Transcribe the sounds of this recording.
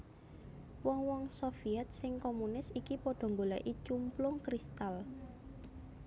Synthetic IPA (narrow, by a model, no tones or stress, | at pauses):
wɔŋwɔŋsofiɛt̪̚sɪŋkomunɪsikipɔɖ̥ɔ̤ŋɡola̰ʔit͡ʃumplʊŋkɾist̪al